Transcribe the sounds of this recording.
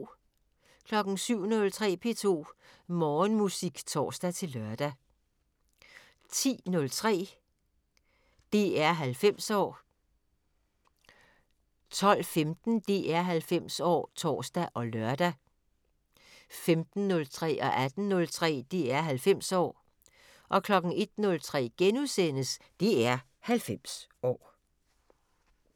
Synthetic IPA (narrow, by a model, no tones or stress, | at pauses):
kʰlɒ̽ɡ̥n̩syʊ̰nɔ̽lt͡sʰʁɛ̰ːpʰe̝̰ːt͡sʰo̝̰ːmɒːnmusiɡ̥t͡sʰɒ̰ːsd̥æt͡sʰe̝lːɶɐd̥æ | t͡sʰḭːnɔ̽lt͡sʰʁɛ̰ː | d̥e̝ːæɐ̰ɦælfem̰sɒ̰ː | t͡sʰɒ̽l̰femd̥n̩d̥iʔæɐɦælfem̰sɒ̰ːt͡sʰɒ̰ːsd̥æʔɒ̽lɶɐd̥æ | femd̥n̩ːɔ̽lt͡sʰʁɛ̰ːʔɒ̽ʔæd̥n̩nɔ̽lt͡sʰʁɛ̰ːd̥iæɐɦælfem̰sɒ̰ː | ʔɒ̽kʰlɒ̽ɡ̥n̩e̝d̥nɔ̽lt͡sʰʁɛ̰ːɡ̥enusen̰əs | d̥iæɐ | hælfem̰sɒ̰ː